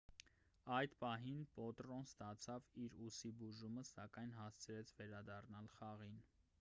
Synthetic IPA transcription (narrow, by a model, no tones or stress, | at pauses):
ɑjd̪pɑɦinpɔt̪ɾɔnst̪ɑt͡sʰɑviɾusibuʒuməsɑkɑjnɦɑst͡sʰəɾɛt͡sʰvɛɾɑd̪ɑrnɑlχɑʁin